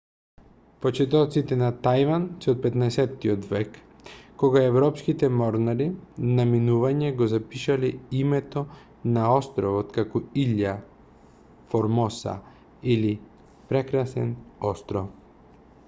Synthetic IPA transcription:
pɔt͡ʃɛt̪ɔt̪sit̪ɛnat̪ajvansɛɔt̪̚pɛt̪naɛsɛt̪ːiɔd̪vɛkː | ɔɡaɛvɾɔpskit̪ɛmɔɾnaɾinaminuvaɲɛɡɔzapiʃalɛimɛt̪ɔ | naɔst̪ɾɔvɔt̪kakɔilːa | fɔɾmɔsa̰ | ili | pɾɛkɾasɛ̰nɔst̪ɾɔf

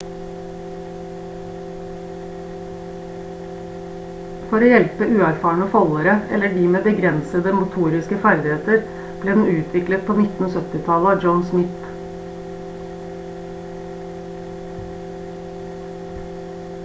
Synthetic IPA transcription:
fɔɾoːjɛlpəʔʉːæɾfɑːɳəfɔləɾəɛ̰ləɖiːmeːbəɡɾɛnsəd̪əmʊt̪ʰuːɾɪskəfæɾd̪ɪheːt̪əɾ | b̥leːd̪n̩ʉːt̪ʰʋɪklət̪̚pʰoːnɪt̪n̩oːsœt̪ɪt̪ʰɑləɑd͡ʒəʊnsmɪt̪

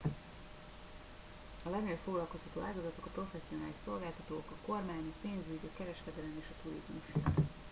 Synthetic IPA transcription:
ɒlɛɡnɛjfo̞ɡlɒlko̞shɒt̪o̰ːʔaːɡɒzɒt̪o̞kɒpro̞fɛsːio̞naːliʃso̞lɡaːlt̪ɒt̪oːkɒko̞rmaːɲɒpeːnzyɟɒkɛɾɛʃkɛd̪ɛlɛmeːʃɒt̪uɾizmuʃ

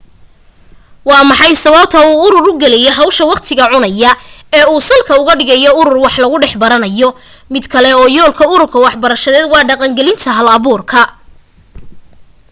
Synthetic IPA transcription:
wɑːmɑħɑjsɐβɐb̚t̪ʰɐuːʊɾʊrʊɡɛlɛjɔɦɑwʃɐwɑqt̪ʰɪɣɐʕʊnɐjɐɛːuːsɐlkʰɐʊɣɐɖɪɣɐjɔʊɾʊrwɑħlɐɣʊɖɛħbɐɾɐnɐjɔ | mɪd̪kʰɐlɛɔːjɔːlkʰɐʊɾʊrkʰɐwɑħbɐɾɐʃɐðɛːd̪wɑːɖɑqɑŋɡɛlɪnt̪ʰɐɦɐlɐβuːrkʰɐ

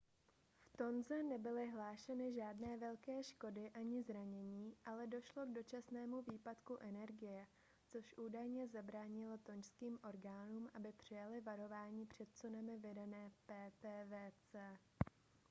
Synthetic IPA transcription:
ft̪o̞nzɛnɛbɪlɪɦlaːʃɛnɪʒaːdnɛːvɛlkɛːʃkodɪʔaɲɪzɾaɲɛɲiːʔalɛdo̞ʃlo̞ɡdo̞t͡ʃasnɛːmuviːpat̪kuʔɛnɛɾɡɪjɛ | t͡so̞ʃʔuːdajɲɛzabɾaːɲɪlo̞t̪o̞ɲʃskiːmʔo̞ɾɡaːnuːmʔabɪpr̝̥ɪjalɪvaɾo̞vaːɲiːpr̝̥ɛt̪̚t͡sunamɪvɪdanɛːpɛːt̪ɛːvɛːt͡sɛː

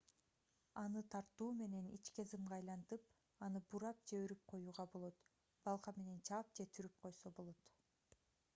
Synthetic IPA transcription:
ɑnɯt̪ʰɑɾt̪uːme̞ne̞nḭt͡ʃkezimʁɑjlˠɑnt̪ɯp | ɑnɯbuɾɑp̚d͡ʒeøɾyp̚qʰo̞juːʁɑbo̞lˠo̞t̪ | b̥ɑlˠqɑme̞ne̞nt͡ʃʰɑːp̚d͡ʒe̞t̪ʰyɾyp̚qʰo̞jso̞bo̞lˠot̪

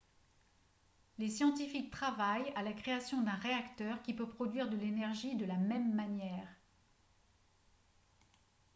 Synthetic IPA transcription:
lesjɑ̃t̪ifik̚t̪χavajalakχeasjɔ̃d̪ɛ̃ʁeakt̪œʁkʲipøpχɔd̪ɥiʁd̪əlenɛʁʒid̪əlamɛmːanjɛːʁ

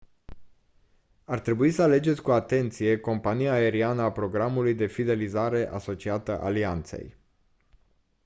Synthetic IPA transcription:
art̪ɾe̞buisəale̞d͡ʒet̪sʲkuat̪e̞nt̪sije̞ko̞mpanijaːe̞ɾianəapɾo̞ɡɾamulujd̪e̞fid̪e̞lizaɾe̞ʔa̰so̞t͡ʃiat̪ə̰ʔa̰liant̪sḛj

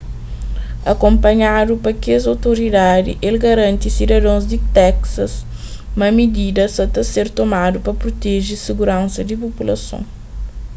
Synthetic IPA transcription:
ɐ̰kõmpɐɲad̪upɐkeɐzɐwt̪oɾid̪ad̪ḭʔelɡɐɾɐ̃nt̪isid̪ɐd̪õzd̪it̪ɛksɐs | mɐmid̪id̪ɐsɐt̪ɐseɾt̪omad̪upɐpɾot̪eʒisiɡuɾɐ̃nsɐd̪ipopulɐ̰sõ̰ŋ

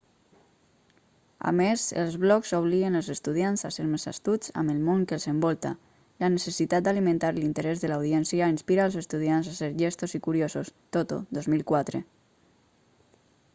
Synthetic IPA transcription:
a̰mezə̰lˠzβlɔkzoβ̞liɣənalˠzest̪uð̞ianzaseɾmeza̰st̪ut͡sa̰məlmoŋkəlzəmbɔlˠt̪a̰ | lanəsesit̪at̪̚d̪alimẽnt̪aɾlint̪əɾɛzðəlawðiɛnsiainspiɾaːlˠzest̪uðianzaseɾʒɛst̪ozikuɾiosost̪ot̪o̰ðozmilˠkwat̪ɾe

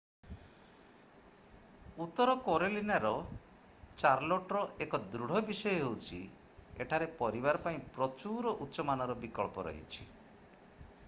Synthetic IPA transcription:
ut̪ːɔɾɔkoɾelinaɾɔ | t͡ʃaɾloʈɾɔʔekɔd̪ɾuɽ̤ɔbisɔjɔɦewt͡ʃʰi | ḛʈʰaɾepɔɾibaɾɔpaĩpɾɔt͡ʃuɾɔʔut̪ːʃɔmanɔɾɔbikɔɭpɔɾɔ̰ɦḭt͡ʃʰi

